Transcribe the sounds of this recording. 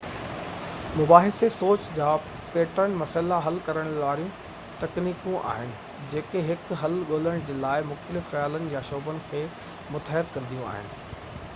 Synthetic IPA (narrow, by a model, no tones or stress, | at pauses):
mʊbaːɦɪsesoːt͡ɕd͡ʑaː | peːʈəɽ̃mɐsəlaɦɐlkɐɾəɽ̃lʋaːɾijũ | t̪ɐkniːkũʔa̰ːɦɪnɪ̆ | d͡ʑeːkeɦɪkɦɐlɠoːləɽ̃d͡ʑeːlaːɪmʊxt̪əlɪfxɐjaːlənɪ̆jaʃoːbənɪ̆kʰeː | mʊt̪ɦɪət̪kɐ̃nd̪ijũa̰ːɦɪ̰nɪ̆